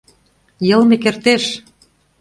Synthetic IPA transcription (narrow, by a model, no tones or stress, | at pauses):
jɤ̆lmekert̪eʃ